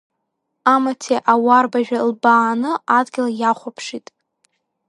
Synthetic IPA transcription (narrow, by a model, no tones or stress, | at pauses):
amatʰeʔawarbaʒᶣalbaːnɨadɡʲɪlajaχʷapʰʂitʼ